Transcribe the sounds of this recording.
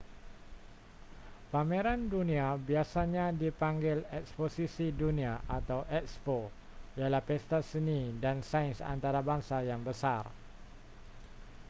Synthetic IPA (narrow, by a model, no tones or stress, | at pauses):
pameɾanduniabiasaɲadipaŋɡɪlɛk̚sposisiduniaʔat̪awʔɛk̚spo | ialahpɛst̪asənidansainsa̰nt̪aɾabaŋsajaŋbəsar